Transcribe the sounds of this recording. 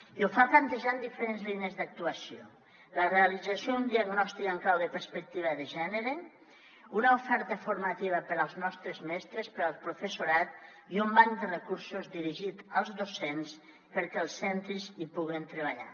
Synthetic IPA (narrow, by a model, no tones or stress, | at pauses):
iufaplant̪eʒand̪ifeɾenzlineəzd̪ak̚t̪uasio | lərealid͡zasjound̪iaɣnɔst̪ikəŋklawðəpəɾspək̚t̪iβ̞əðəʒɛnəɾe | unaufɛɾt̪əfuɾmat̪iβ̞əpəɾəlˠznɔst̪ɾəzmɛst̪ɾəspəɾalˠpɾufesuɾat̪ | iumbaŋd̪ərekuɾsuzd̪iɾiʒit̪əlˠzðosens | pəɾkɛlˠsːɛnt̪ɾizipuɣent̪ɾəβ̞aʎa̰